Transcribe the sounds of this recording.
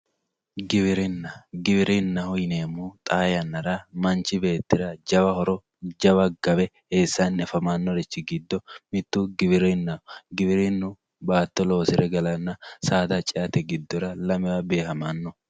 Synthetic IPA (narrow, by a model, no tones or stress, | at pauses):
ɡɪβɪɾɪnːɐɡɪbɪɾɪnːɐhʊjɪneːmuːt̪ʼaːjɐnːɐɾɐmɐnt͡ʃːɪbe̞ːt̪ːɪɾɐd͡ʒɐbɐhɔɾɔ | d͡ʒɐbɐɡɐbɛheːsːɐnːɛfɐmanːɔɾɛt͡ʃːɪɡɪd̪ːɔmɪt̪ːuɡɪbɪɾɪnːɐhɡɪbɪɾɪnːʊ | baːt̪ːɔlo̞ːsɪɾɛɡɐlɐnːɐsaːd̪ɐt͡ʃʼɪʔɐt̪ɛɡɪd̪ːɔɾɐlɐmɛwabe̞ːɦɐmaːnːɔ